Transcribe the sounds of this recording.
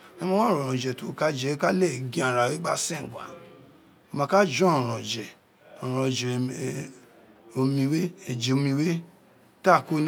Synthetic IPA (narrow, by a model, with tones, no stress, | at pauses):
nã˦mã˦w̃ɾɔ̃˨ɔ̃˨d͡ʒɛ˨tu˦˨ka˦d͡ʒɛ˧˨we˦ka˦le˦˨ɡĩ˦a˨ɾa˨we˦ɡ͡ba˦sẽ˦˨ɡʷa̰˨ | o˧mã˧ka˦d͡ʒɔ̃˦ɔ̃˨ɾɔ̃˨d͡ʒɛ˨ | ɔ˨ɾ̃ɔ̃˨d͡ʒɛ˨ | o˧mĩ˧we˦e˨d͡ʒe˨o˧mĩ˧we˦ | ta˦˨ko˦n˦